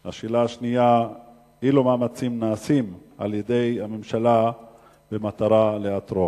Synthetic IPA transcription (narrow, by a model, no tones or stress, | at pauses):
haʃilaaʃnija | hilomaːmat͡simnaːsim | a̰ljede̞jhamemʃala | bemataɾaleatɾo